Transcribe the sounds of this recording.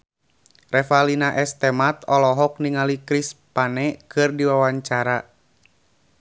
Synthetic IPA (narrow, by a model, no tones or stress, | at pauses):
rɛfalinaʔɛst̪ɛmat̪ɔlɔɦɔk̚niŋalikɾispanɛkɨrdiwawaɲt͡ʃaɾa